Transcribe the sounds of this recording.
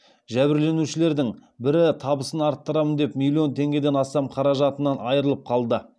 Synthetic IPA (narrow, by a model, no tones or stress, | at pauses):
ʒæbɪɾle̞nuʃɪle̞ɾd̪ɪŋbɪɾɪt̪ʰɑbəsənɑɾt̪ːəɾɑmənd̪e̞pmilʲːio̞nt̪ʰe̞ŋɡʲe̞d̪e̞nɑst̪ɑmqʰɑɾɑʒɑt̪ənɑnɑjəɾəlˠəp̚qʰɑlˠd̪ə